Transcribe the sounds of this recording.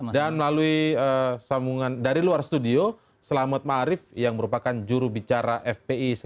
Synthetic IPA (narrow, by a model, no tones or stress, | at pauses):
danməlaluiəsambuŋandaɾiluarst̪udio | səlamat̪̚maaɾɪfjaŋməɾupakand͡ʒuɾubit͡ʃaɾaʔɛfpeis